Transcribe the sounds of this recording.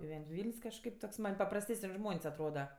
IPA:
ɡʲɪˈʋʲɛnʲtʲ ˈʋʲiːlʲnʲsʲ kɐʃˈkɐɪp toːks mɐnʲ pɐprɐsʲˈtʲæːsənʲ ˈʒmoːnʲsʲ ɐtˈroːdɐ

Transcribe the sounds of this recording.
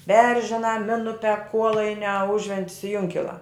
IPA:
ˈbʲɛrʲʒʲɪnɑː ˈmʲɪnʊpʲɛ ˈkuɔlˠɐɪnʲæː ˈʊʒʲʋʲɛnʲtʲɪs ɪ ˈjʊŋʲkʲɪlˠɑː

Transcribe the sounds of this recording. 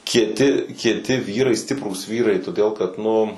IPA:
kʲiɛˈtʲɪ kʲiɛˈtʲɪ ˈʋʲiːrɐɪ ˈsʲtʲɪpruːs ˈʋʲiːrɐɪ toːˈdʲeːlˠ kɐt ˈnʊ

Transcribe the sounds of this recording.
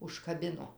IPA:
ʊʃkɐˈbʲɪnoː

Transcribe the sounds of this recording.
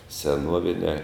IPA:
sʲɛˈnuɔʋʲɪnʲæː

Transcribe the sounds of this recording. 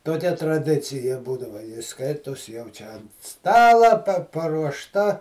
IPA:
toːˈkʲɛ trɐˈdʲɪt͡sʲɪjɛ ˈbuːdɐʋɐ ˈskɐɪtoːs jɛʊ ˈt͡ʃʲɛ ˈstɑːlˠɑː pɐ pɐruɔʃˈtɐ

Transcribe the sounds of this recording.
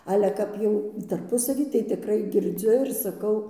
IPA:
ˈɑːlʲɛ ˈkɐp jɛʊ tɐrˈpʊsɐʋʲiː tɐɪ tʲɪˈkrɐɪ ɡʲɪrʲˈd͡zʲʊ ɪr sɐˈkɐʊ

